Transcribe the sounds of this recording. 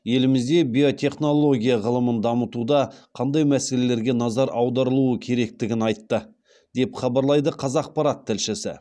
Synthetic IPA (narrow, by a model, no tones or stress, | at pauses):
je̞lɪmɪzd̪e̞bijo̞t̪ʲʰe̞χno̞lˠo̞ɡʲijaʁəlˠəmənd̪ɑmət̪ud̪ɑqʰɑnd̪ɑjmæse̞le̞le̞ɾɡʲe̞nɑzɑɾɑwd̪ɑɾəlˠuəkʲʰe̞ɾe̞k̚t̪ɪɡʲɪnɑjt̪ːə | d̪e̞pχɑbɑɾlˠɑjd̪əqʰɑzɑq̚pɑɾɑt̪ʰːɪlʃɪsɪ̰